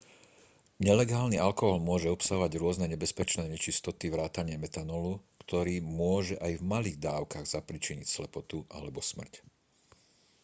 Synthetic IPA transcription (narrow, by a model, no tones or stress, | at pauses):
ɲɛlɛɡaːlnialkɔɦɔlmʊɔʒɛɔpsaɦɔʋaɟɾʊɔznɛɲɛbɛspɛt͡ʃnɛːɲɛt͡ʃist̪ɔt̪iʋɾaːt̪aɲɪamɛt̪anɔlukt̪ɔɾiːmʊɔʒɛʔajvmaliːɣd̪aːʊkaɣz̥apɾit͡ʃiɲicslɛpɔt̪uʔa̰lɛbɔsmr̩c